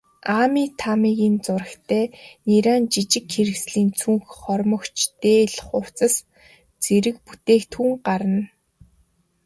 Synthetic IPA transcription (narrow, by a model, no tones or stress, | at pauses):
aːmiːt̪ʰamiːɣʲiːnt͡sʊrə̆xt̪ʰæːniɾaːnt͡ɕit͡ɕɪ̆kxeɾɘ̆ksɮiːnt͡sʰuŋxχɔrmɞ̆kt͡ɕʰt̪eːɮχʊw̥t͡sə̆s | t͡seɾɘ̆k̚put̪eːkt̪ʰuːŋɢaɾə̆n